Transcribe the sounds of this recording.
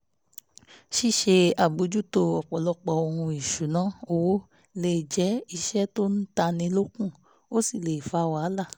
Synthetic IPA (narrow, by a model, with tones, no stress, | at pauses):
ʃi˦˨ʃe˧a˨bu˧d͡ʒu˦to˧ɔ˨k͡pɔ˨lɔ˧k͡pɔ˨o˧hũ˧i˨ʃu˨nã˨˦o˧˨wo˦ | le˦˨d͡ʒɛ˨˦i˧ʃɛ˦to˦n̩˦ta˧nĩ˧˦lo˦kũ˦˨ | o˦si˦˨le˨i˨fa˧˦˧wa˨˦la˦˨